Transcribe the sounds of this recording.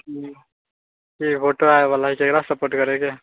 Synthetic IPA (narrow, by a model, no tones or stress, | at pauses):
ki | kipʰoʈoaeʋalaɦikekɽasəpoɾʈkəɾeke